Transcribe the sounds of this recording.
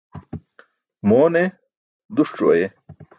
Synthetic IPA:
moːne | d̪uʂʈ͡ʂo̰je

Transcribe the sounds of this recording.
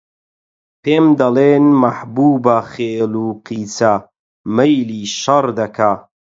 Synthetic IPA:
peːmd̪ɐleːnmɐħbuːbɐχeːluqiːt͡sa | mɐjliʃɐrd̪ɐkʰa

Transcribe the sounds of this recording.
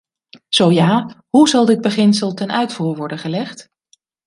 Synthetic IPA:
z̥owjaːɦuzɑlˠdɪd̚bəχɪnsəlˠtɛnœɥtfuːɹʋɔɹdənχəlɛχt

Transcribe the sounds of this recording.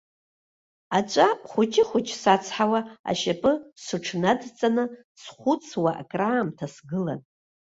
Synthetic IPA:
at͡ʃʷʼaχʷʊt͡ʃʲʰʼɪχʷʊt͡ʃʰʼsat͡sʰħawaa̰ʃapʼɨsɨʈ͡ʂʰnadt͡sʼanɨ | sχʷʊt͡sʰwaʔa̰kʼraːmtʰasɡɨla̰n

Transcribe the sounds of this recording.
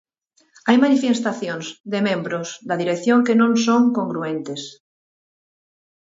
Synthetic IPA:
ajmanifest̪aθjõŋzd̪emẽmbɾozd̪aðiɾeθjoŋkenõŋsõŋkõŋɡɾuẽnt̪es

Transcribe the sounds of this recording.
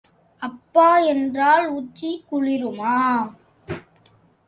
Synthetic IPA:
ɐpːaːɛndraːlut͡ʃːikʊɻɪɾɯmaː

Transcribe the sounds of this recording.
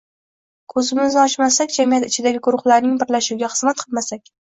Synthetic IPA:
kʰɵzɪmɪznɒt͡ʃmasakʲd͡ʒamijat̪ɪt͡ʃʰɪd̪aɡʲɪɡʊɾʊχlaɾnɪŋbɪɾlaʃuwɡʲaχɨ̥zmat̪̚qʰɨlˠmasakʲ

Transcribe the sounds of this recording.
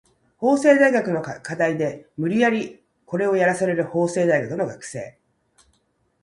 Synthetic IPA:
ho̞ːse̞ːd̪aiɡakɯ̟no̞kad̪aid̪e̞mɯ̟ɾʲijaɾʲi | ko̞ɾe̞o̞jaɾasaɾe̞ɾɯ̟ho̞ːse̞ːd̪aiɡakɯ̟no̞ɡakɯ̟̥se̞̰ː

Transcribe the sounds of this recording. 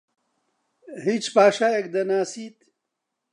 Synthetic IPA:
hiːt͡ʃpaːʃaːjekd̪ɐnaːsiːt̪

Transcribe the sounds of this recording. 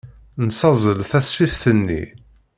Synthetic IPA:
nsɑzˤəlθæsfifθənːḭ

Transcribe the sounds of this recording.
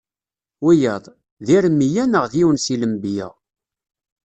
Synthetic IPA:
wijəðˤ | ðiɾmːijænəʁðiwənsiləmbjæ̰

